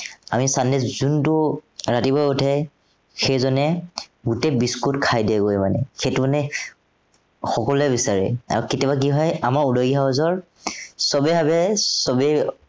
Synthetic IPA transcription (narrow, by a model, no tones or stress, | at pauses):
amisandɛzuntʊɹatibɔjutʰɛj | xejzɔnɛɡutɛbiskutkʰajdiɛɡojmanɛ̰xejtumanɛ | xɔkɔlɛbisaɹɛ̰a̰ɹuketɔbak̬iɦɔjamaɹudɔjɡiɦaɔzɔɹ | sɔbɛbabɛsɔbɛ